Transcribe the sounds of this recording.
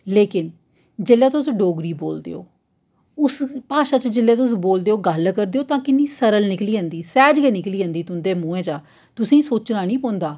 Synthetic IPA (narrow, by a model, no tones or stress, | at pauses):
leːkɪn | d͡ʒeːlːeːt̪ʊsɖoːɡɾiːbo̰ːld̪ḛːo̰ː | ʊspaːʃaːt͡ʃəd͡ʒɪlːeːt̪̬ʊs̬boːld̪eːoːɡəlkəɾd̪eːoːt̪ãːkɪnːĩːsəɾəlnɪkliːə̃nd̪iːsɛːd͡ʒkeːnɪkliːə̃nd̪iːt̪ʊnd̪eːmũːẽːt͡ʃaː | t̪ʊsĩːsoːt͡ʃnaːnĩːpõːnd̪aː